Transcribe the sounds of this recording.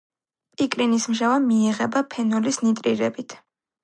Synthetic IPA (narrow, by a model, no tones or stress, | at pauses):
pʼikʼɾinismʒavamiːʁɛbapʰɛnɔlisnit̪ʼɾiɾɛbit̪ʰ